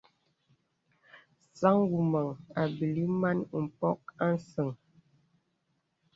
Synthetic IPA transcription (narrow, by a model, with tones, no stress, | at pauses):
sa˦ŋwu˨ma˨ŋa˨bi˨li˦ma˦n˨m̩˨pɔ˦k̚a˦n˨˦sə˨ŋ